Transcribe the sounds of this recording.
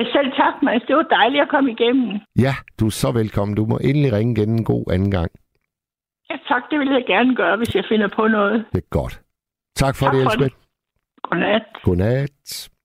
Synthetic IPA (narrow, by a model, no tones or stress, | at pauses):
æsel̰t͡sʰɑ̈ɡ̥mæsd̥e̝ʋɑd̥ɑ̈ɪliɒkʰɒ̽məiɡ̥em̰̩jæd̥uæsɒ̽ʋelkʰɒ̽m̰n̩d̥umɒ̽ʔe̝nəliʁɛŋəɡ̥ene̝nɡ̥o̝̰ːʔænn̩ɡ̥ɑ̈ŋ̰ | jæt͡sʰɑ̈ɡ̥d̥e̝ʋe̝ljɑ̈ɪɡ̥æɐnəɡ̥ɶːɐʋe̝sjɑ̈ɪfe̝nɐpʰɔ̽nɔ̽ːð̩ˠd̥eɡ̥ɒd̥ | t͡sʰɑ̈ɡ̥fɒɾeesbe̥ | ɡ̥onæd̥ɡ̥onæd̥